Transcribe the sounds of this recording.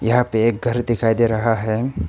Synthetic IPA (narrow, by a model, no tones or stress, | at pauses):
jɐɦãpeːk̚ɡʱɐɾd̪ɪkʰaːid̪eɾɐɦaɦɛː